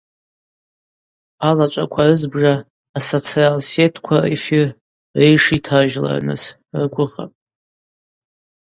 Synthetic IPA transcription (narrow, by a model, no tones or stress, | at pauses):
alat͡ʃʷʼakʷʰarɨzbʐaː | sot͡sʰialsetʰkʷʰarḛfir | rejʂitʰaʒla̰rnɨ̰s | rɡʷʊχa̰pʼ